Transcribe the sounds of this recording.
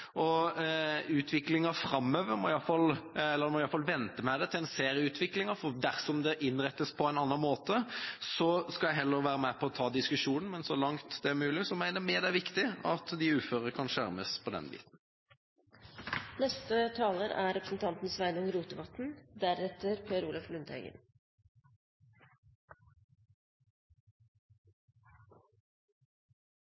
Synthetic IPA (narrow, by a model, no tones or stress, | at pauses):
ɔ | ʉːt̪ʰʋɪklɪŋɑfɾɑmːøːʋəɾmɔɪɑfɑlɛlːəɾmɔɪɑlfɑlʋɛnt̪əmɛd̪ɛt̪ʰɪlɛnseːʁɪəʉːt̪ʰʋɪklɪŋɑfɔd̪æɾsɔmd̪ɛʔɪnːʁɛt̪ːəspʰɔæɪɑnːɑnmoːt̪əsɔskɑlæɪɦɛlːəɾʋæːɾəmæpʰɔːt̪ʰɑːd̪ɪskʉʂuːnən̩mɛnsɔlɑŋt̪d̪ɛæɾmʉːlɪsɔmæɪnəd̪əmeːd̪æʋɪkt̪ɪɑt̪d̪ɪʉːføːʁəkʰɑnʃæɾməspʰɔd̪ɛ̰nbḭːt̪n | nɛst̪ət̪ʰɑːləɾæ̰ɾɛpɾəsn̩t̪ʰɑnt̪n̩sʋæɪnʊŋɾuːt̪əʋɑt̪n̩d̪æɾɛt̪əɾpʰeːɾuːlɑflʉnd̪ḛːɡə̰n